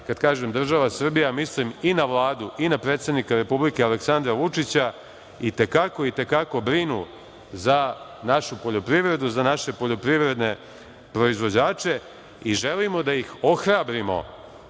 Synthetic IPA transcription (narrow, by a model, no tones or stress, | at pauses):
kad̪kaːʒemd̪r̩ʒaʋasr̩bijamisliminaʋlˠaːd̪uʔinapɾe̞ːt̪sed̪nikaɾe̞publike̞aleksand̪ɾaʋut͡ʂit͡ɕa | it̪e̞kako̞it̪e̞kako̞bɾinu | zanaʃupo̞ʎopɾiʋɾe̞d̪uzanaʃe̞po̞ʎo̞pɾiʋɾe̞d̪ne̞ | pɾo̞izʋo̞d͡ʑaːt͡ʃe̞ | iʒe̞limo̞d̪ajixo̞xɾabɾimo̞̰